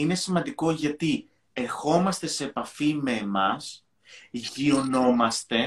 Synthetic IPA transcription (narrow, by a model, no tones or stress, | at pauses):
ine̞simɐnd̪iko̞ʝɐt̪i | e̞ɾxo̞mɐst̪e̞se̞ːpɐfime̞ːmɐs | ʝio̞no̞mɐst̪e̞